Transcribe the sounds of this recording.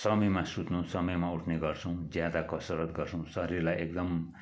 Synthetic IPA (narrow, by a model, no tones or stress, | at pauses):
sʌmʌjmasut̪nusʌmʌjmauʈʰneɡʌrt͡sʰʌ̃w̃d͡zjad̪akʌsʌɾʌt̪ɡʌrt͡sʰʌ̃w̃sʌɾirlajek̚d̪ʌm